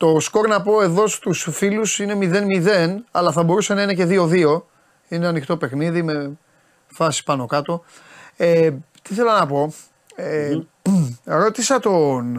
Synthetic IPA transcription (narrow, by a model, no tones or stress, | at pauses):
t̪o̞sko̞ɾnɐpo̞e̞ðo̞st̪usfilusine̞miðe̞nmiðe̞nɐlɐθɐbo̞ɾuse̞nɐine̞ce̞ðio̞ðio̞ | ineɐnixt̪o̞pe̞xniðime̞ | fɐsi̥pɐno̞kɐt̪o̞ | et̪iiθe̞lɐnɐpo̞ | e | ɾo̞t̪isɐt̪o̞n